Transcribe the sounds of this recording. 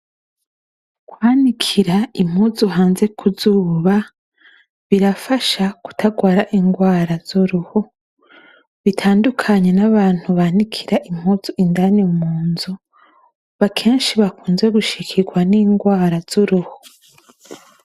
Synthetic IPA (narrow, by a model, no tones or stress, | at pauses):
kwaːnikʰiɾaim̥huzuɦaːnze̞kʰuzuːβa | βiɾafaʃaku̥tʰaɡwaːɾaʔiŋɡwaːɾaz̥uɾuho | βitʰaːndukʰaɲe̞naβaːn̥huβanikʰiɾaʔim̥huːz̥uʔindanimuːnzu | βakʰeːnʃiβakuːnzweɡuʃikʰiɡwaniːŋɡwaːɾaz̥uɾuho